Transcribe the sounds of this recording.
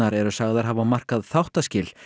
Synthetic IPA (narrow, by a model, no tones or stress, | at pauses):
aɾɛɾʏsaɣðaɾ̥ɦaːvamar̥kaðθawht̪ascɪl̥